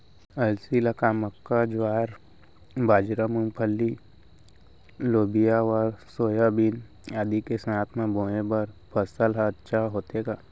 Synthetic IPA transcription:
əlsilakaməkːad͡ʒwaːɾ | baːd͡ʒɾamũmpʰəlːi | loːbijaɔːɾsoːjabin | aːd̪ikesəaːt̪ʰmãboːẽbəɾpʰəsəlːtːʃʰaɦoːt̪eːɡaː

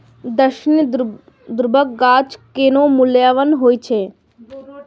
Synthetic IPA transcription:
d̪əʃn | d̪ɾbʱək̚ɡaːt͡ʃkenoːmʊljaːʋənɦoːit͡ʃʰeː

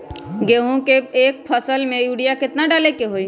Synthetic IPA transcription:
ɡeːɦũkeeːk̚pʰəsəlmẽjuːɽijakɪt̪naɖaːlekeɦoi

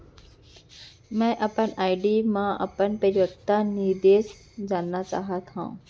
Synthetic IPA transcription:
mɛ̃ːʔɐpənaːɪɖiːmãʔɐ̰pənpɐɾiʋəkt̪aniɾd̪eːs | d͡ʑaːnːat͡ɕa̰ːɦət̪ɦã̰ː

